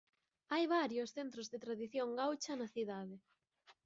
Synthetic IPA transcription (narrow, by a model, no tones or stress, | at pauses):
ajβaɾjʊsθent̪ɾozðet̪ɾaðiθjoŋɡawt͡ʃɐnaθiðaðɪ